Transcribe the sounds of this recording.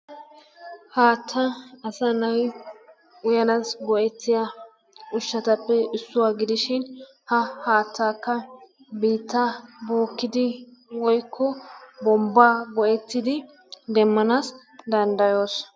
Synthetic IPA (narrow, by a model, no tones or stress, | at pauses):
haːt̪ʰːɐɐsɐnɐj | ʊjɐnasɡɔʔɛt̪ːɪjɐ | ʔʊʃːɐt̪ɐpːɛɪsːʊwaːɡɪd̪ɪʃɪn | hɐhaːt̪ːaːkːɐ | biːt̪ːaboːkːɪd̪ɪwɔjkʰːɔbɔmbːaːɡɔʔɛt̪ːɪd̪ɪ | d̪ɛmːɐnaːs | d̪ɐnd̪ɐjoːs